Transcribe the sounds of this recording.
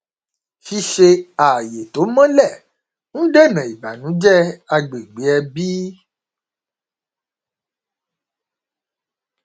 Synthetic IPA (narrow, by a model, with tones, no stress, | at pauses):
ʃi˧ʃe˧a˨je˨t̪o˨˦mã˦lɛ˦˨ | ñ̩˦ɖe˦˨nã˨i˨ba˨nũ˨˦d͡ʒɛ˦a˧ɡ͡be˨ɡ͡be˨˦ɛ˧bi˦